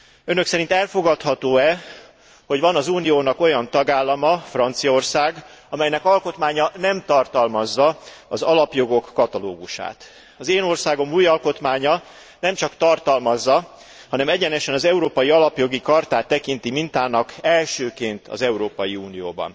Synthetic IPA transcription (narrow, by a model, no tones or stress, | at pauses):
ønø̞ksɛɾint̪ɛlfo̞ɡɒt̪hɒt̪oːɛ | ho̞ɟvɒnɒzuːnijoːnɒko̞jɒnt̪ɒɡaːlːɒmɒfrɒnt̪sijɒorsaːɡɒmɛjnɛkɒlko̞t̪maːɲɒnɛmt̪ɒrt̪ɒlmɒzːɒɒzɒlɒpjo̞ɡo̞kːɒt̪ɒlo̰ːɡuʃa̰ːt̪ | ɒzeːno̞rsaːɡo̞muːjɒlko̞t̪maːɲɒ | nɛmt͡ʃɒkt̪ɒrt̪ɒlmɒzːɒ | hɒnɛmɛɟɛnɛʃɛnɒzɛuɾoːpɒjiɒlɒpjo̞ɡikɒrt̪aːt̪ːɛkint̪imint̪aːnɒkɛlʃøːkeːnt̪ʰɒ̰zɛuɾoːpɒjiuːnijo̰ːbɒ̰n